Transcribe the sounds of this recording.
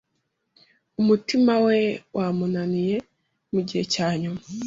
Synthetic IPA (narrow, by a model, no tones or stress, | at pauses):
umutimawewʔaːmunanije̞ | muɟihecaːɲuma